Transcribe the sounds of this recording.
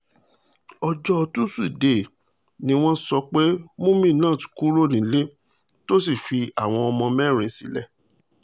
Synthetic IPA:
ɔ˧d͡ʒɔ˦ɔ˧tu˦su˦i˨de˨ | nĩ˧˦w̃ɔ̃˦sɔ˧k͡pe˦mũ˦mĩ˦˨nãː˦˨ti̥˨˧ku˦ɾo˦˨nĩ˨˦le˦ | to˦si˦˨fi˧a˦˨w̃ɔ̃˧ɔ˧mɔ̃˧mɛ̃˦˨ɾ̃ĩ˨˦sḭ˨˦lɛ˦˨

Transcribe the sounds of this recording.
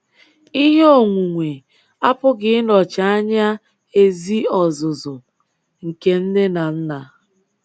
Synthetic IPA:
i˦ɦe˦o˨ŋʷu˨ŋʷe˨ | a˦pʊ˦ɡɪ˦nɔ˨t͡ʃa˨˦a˦ɲa˦ | e˨zi˦ɔ˨zʊ˨zʊ˨ | ŋ̩˨ke˨n̩˦dɪ˦na˨n̩˦na˨

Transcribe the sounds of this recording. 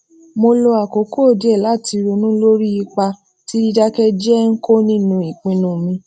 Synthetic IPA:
mo˧lo˧a˨ko˨˦ko˦˨di˨˦ɛ˦˨la˨˦˨ti˧ɾo˧nũ˦lo˦ɾi˦i˧k͡pa˧ | ti˦di˧da˦kɛ˦d͡ʒɛ˦ŋ̩˦ko˦nĩ˦nũ˧i˨k͡pĩ˨˧nũ˦˨mĩ˧

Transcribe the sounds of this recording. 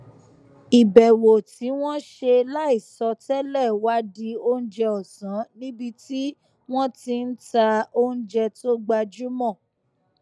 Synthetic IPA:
i˨bɛ˨wo˨ti˨˦w̃ɔ̃˦ʃe˧la˦i˦˨sɔ˧tɛ˦lɛ˦˨wa˦di˧o˦n̩˦d͡ʒɛ˧ɔ˨sã˨˦nĩ˦bi˧ti˦ | w̃ɔ̃˦ti˧n̩˦ta˧o˦n̩˦d͡ʒɛ˧to˦ɡ͡ba˧d͡ʒu˦mɔ̃˦˨

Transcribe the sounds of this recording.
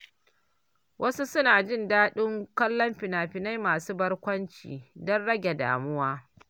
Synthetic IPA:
wʔɐ˦su˦sʊ˦naː˨d͡ʒɪ˦˨ndaː˦ɗɪ˦ŋkɐ˦lːɔ˦mɸɪ˨naː˨ɸɪ˨na˦jmaː˨suː˦bɐ˦rkʷɐ˦nt͡ʃḭː˨dɔ˦nɽɐ˦ɡʲe˨da̰ː˨mʊ˦waː˦

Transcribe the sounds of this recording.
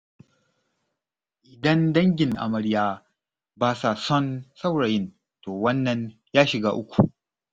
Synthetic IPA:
ʔɪ˨dɐ˦ndɐ˦ŋɡʲɪ˨ŋʔa̰˨mɐ˨ɽjaː˦ | baː˦sa˨sɔ˦nsa˦wɽa˨jɪ˦n | toː˨wɐ˦nːɐ˨ɲ | jaː˦ʃɪ˨ɡaː˦ʔʊ˦kʷu˨

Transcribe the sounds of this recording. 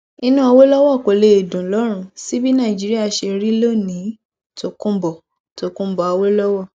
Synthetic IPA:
i˧nũ˦ɔ˧wo˦lɔ˦wɔ˦˨ko˨le˨e˨dũ˨lɔ˨˦ɾ̃ũ˦si˦bi˦nã˦˨d͡ʒi˨˦ɾi˦a˦˨ʃe˧ɾi˦lo˦˨nĩ˨˦ | to˨kũ˦bɔ˨ | to˨kũ˦bɔ˨a˧wo˦lɔ˦wɔ˦˨

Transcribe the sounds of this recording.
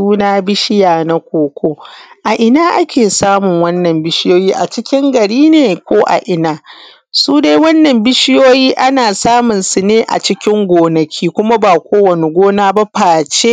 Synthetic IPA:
uː˦naː˦bɪ˦ʃɪ˦jaː˨na˦kʷoː˨kʷoː˦ʔa˨ʔɪ˨naː˦ʔa˦kʲʰeː˨saː˦mʊ˨ŋwɐ˦nːɐ˨mbɪ˦ʃɪ˦joː˦jiː˦ʔa˨t͡ʃɪ˦kʲɪ˦ŋɡɐ˨ɽiː˦neː˨kʷoː˦ʔa̰˨ʔɪ˨naː˦ | suː˦de˦jwɐ˦nːɐ˨mbɪ˦ʃɪ˦joː˦jiː˦ʔa˦naː˨saː˦mʊ˨nsu˨neː˦ʔa̰˨t͡ʃɪ˦kʲɪ˦ŋɡʷoː˨nɐ˨kʲʰiː˦kʷʊ˦ma˦baː˨kʷoː˦wɐ˨nɪ˨ɡʷoː˦naː˦ba˦ɸaː˨t͡ʃe˦

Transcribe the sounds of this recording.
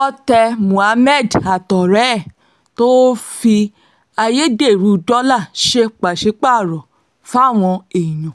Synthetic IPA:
ɔ˧tɛ˧mũ˨a˨˧˦mɛ˦˨da˨tɔ˨ɾɛ˨˦˨ | to˦fi˧ | a˧je˦de˦˨ɾu˨˦˧dɔ˦la˦˨ʃe˧k͡pa˨ʃi˨˦k͡pa˦˨ɾɔ˨ | fa˦˨w̃ɔ̃˧e˨i˨jũ˨

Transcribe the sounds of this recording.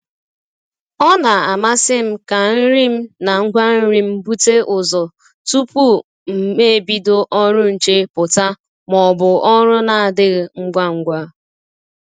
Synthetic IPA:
ɔ˦na˨a˨ma˦sɪ˦m̩˦ka˨n̩˦ɾi˦m̩˦na˨ŋ̩˦ɡʷa˦n̩˦ɾi˦m̩˦bu˦te˦ʔʊ˨zɔ˨ | tu˦pu˦ | m̩˨me˦e˨bi˦dʊ˦ʔɔ˦ɾʊ˦n̩˨t͡ʃe˦pʊ˨ta˦ | mɔ˨bʊ˨ʔɔ˦ɾʊ˦na˨a˨dɪ˦ɣŋ̩˦ɡʷa˦ŋ̩˦ɡʷa˦

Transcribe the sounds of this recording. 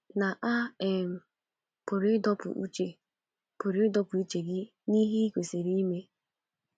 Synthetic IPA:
na˨ʔa˦e˦m̩˨ | pʊ˨ɾɪ˦dɔ˦pʊ̰˨ṵ˦t͡ʃe˨ | pʊ˨ɾi˨˦ɪ˦dɔ˦pʊ˨i˦t͡ʃe˨ɡɪ˦ | ni˦ɦi˦i˦kʷe˨se˨ɾi˦i˦me˦

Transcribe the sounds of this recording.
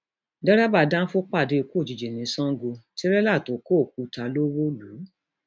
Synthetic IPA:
dɛ˦ɾa˦ba˧˨dã˦fo˦k͡pa˦˨de˨˧ku˦o˦˨d͡ʒi˨d͡ʒe˨nĩ˨˦sɔ̃˦ɡo˧ti˦ɾɛ˦la˦˨to˨˦ko˦˨k̚u˨˧ta˧lo˦wo˦lu˨˦

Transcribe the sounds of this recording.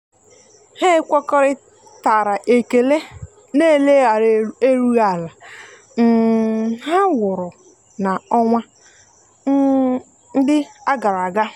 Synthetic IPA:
he˦kʷɔ˦kɔ˦ɾɪ˦ | ta˨ɾa˨ʔe˨ke˨le˦ | ne˦˨le˦ɣa˨ɾe˦ɾu˦ɣa˦˨la˨ | n̩˨ɦa˦wʊ˨ɾʊ˨ | na˨ɔ˦ŋʷa˦ | n̩˦ | n̩˦dɪ˦a˦ɡa˨ɾa˨ɡa˦

